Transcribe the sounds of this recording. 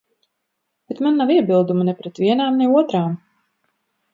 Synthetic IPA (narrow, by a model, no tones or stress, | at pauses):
b̥ɛt̪manːaviɛbilˠd̪umanɛpɾɛt̪vʲiɛnaːmnɛuɔt̪ɾaːm